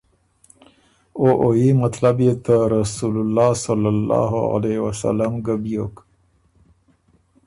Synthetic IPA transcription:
oʔojimat̪labjet̪aɾasulʊlːɑːsalːalːɑ̰ɦo̰a̰lewasa̰lamɡəbjok

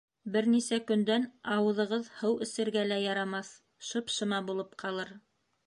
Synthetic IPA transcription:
bɘɾnisækɵ̆nd̪ænɑwɤ̆ðɤ̆ʁɤðhɤwɵ̆sɘ̆ɾɡælæjɑɾɑmɑθ | ʃɤ̆pʃɤ̆mɑbulˠɤp̚qʰɑlˠɤɾ

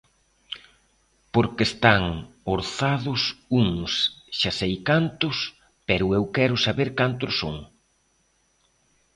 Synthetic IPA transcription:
poɾkest̪aŋoɾθaðʊsuŋsʃasejkant̪ʊs | pɛɾʊewkɛɾʊsaβeɾkant̪ʊsːo̰ŋ

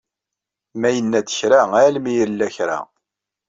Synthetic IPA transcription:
mæjənːæd̪ə̥çɾaælmijəɾlːæçɾa̰

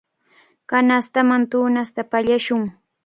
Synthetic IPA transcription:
kanast̪amant̪uːnast̪apaʎaʃʊŋ

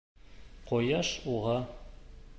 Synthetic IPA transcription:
qʰojɑʃuʁɑ

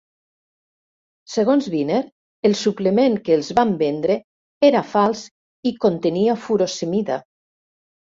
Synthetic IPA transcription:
seɣ̞onzβineɾ | elˠsuplemeŋkəːlˠzβambend̪ɾe | eɾafalˠs | ikont̪əniafuɾosemiða

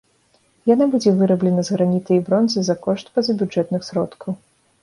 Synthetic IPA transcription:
janabud͡zʲɛvɨɾɐblʲɛnɐzɣɾanʲit̪ɐjɐbɾɔnzɨzɐkɔʂt̪pɐzɐbʲud͡ʐɛt̪nɨxsɾɔt̪kʰɐw

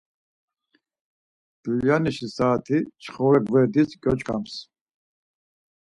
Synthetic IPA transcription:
d̪̥uljaniʃisaːt̪ʰit͡ʃʰχɔɾɛɡvɛɾd̪iskʲʼjɔt͡ʃʼkʰʼa̰ms

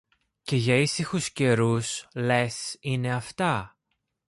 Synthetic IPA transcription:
ce̞ʝɐisixusce̞ɾuslesine̞ɐft̪ɐ

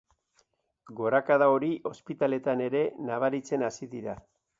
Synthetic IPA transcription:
ɡo̞ɾakaðao̞ɾiʔo̞spit̪ale̞t̪ane̞ɾe̞naβ̞aɾit͡se̞nasiðiɾa

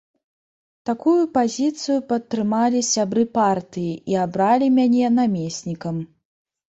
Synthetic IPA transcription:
t̪akujupazʲit̪sɨjupɐt̪ːɾɨmalʲisʲabɾɨpart̪ɨjiiabɾalʲimʲanʲɛnamʲesʲnʲikɐm

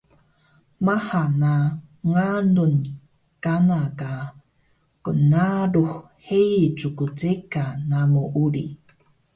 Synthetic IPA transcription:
mahanaŋanun | kanaka | kənaɾux | hejt͡sukut͡sekanamoʔuɾi

